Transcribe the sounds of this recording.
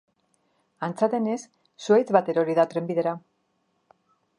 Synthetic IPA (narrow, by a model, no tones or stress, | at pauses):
ant͡sat̪e̞ne̞sː | uejt͡sβat̪e̞ɾaoɾiðat̪ɾe̞mbiðe̞ɾa